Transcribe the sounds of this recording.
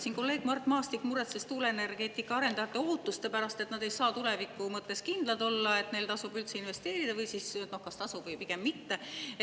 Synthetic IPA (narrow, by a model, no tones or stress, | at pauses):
sinko̞lːe̞ːɡ̥mɑrt̪ːˑmɑːst̪ikːˑmuɾet̪sest̪uːleene̞rɡ̥e̞ːt̪ːˑikːˑɑɑɾe̞nd̪̥ɑjɑt̪ːˑe̞o̞ːt̪ːˑust̪e̞pæɾɑst̪e̞t̪nɑd̪e̞jsɑːt̪ule̞vikːˑumɤt̪ːe̞skind̪̥lɑd̪o̞lːɑe̞t̪ne̞jlt̪ɑsubylt̪se̞inve̞st̪e̞ːɾid̪̥ɑvɤjsisno̞hkɑst̪ɑsub̥vɤjpiɡ̥emːit̪ːe